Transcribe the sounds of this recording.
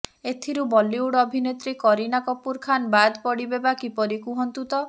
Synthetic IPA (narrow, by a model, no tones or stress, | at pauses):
et̪ʰiɾubɔliuɽɔbʱinet̪ɾikɔɾinakɔpuɾkʰanbad̪pɔɽibebakipɔɾikuɦɔnt̪ut̪ɔ